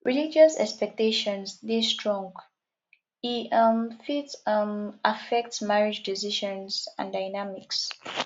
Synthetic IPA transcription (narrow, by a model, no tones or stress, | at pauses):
ɹʔilid͡ʒəsɛ̰kspɛk̚teʃɔ̃nsdestɹɔ̃ŋɡ | iʌmfitʌmʔafɛk̚tsmaɹid͡ʒdiziʃɔ̃nsã̰ndaɪnamiks